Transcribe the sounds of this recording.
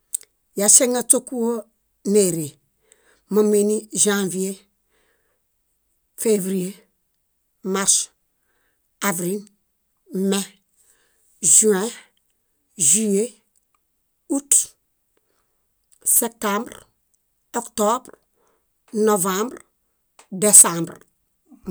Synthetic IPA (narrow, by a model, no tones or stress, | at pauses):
jaseŋatokuo | neɾe | məmeniʒãvie | fevɾije | maɾs | avɾil | me | ʒyɛ̃ | ʒije | ut | sep̚tãmbɾ | oktobɾ | novãmbɾ | desãmbɾ